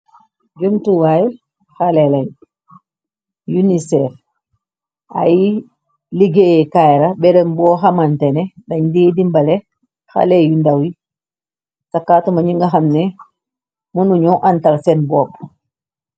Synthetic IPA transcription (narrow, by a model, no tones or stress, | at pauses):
d͡ʒumtuwaj | xalɛlaɲ | junisɛf | a̰ji | liɡeɛkajɾabɛɾɛmbɔːɦamantɛnɛdaɲdidimbalɛ | xa̰lɛjundawi | sakːaːtumaɲiŋɡaɦamnɛ | munuɲɔʔantalsɛnbɔb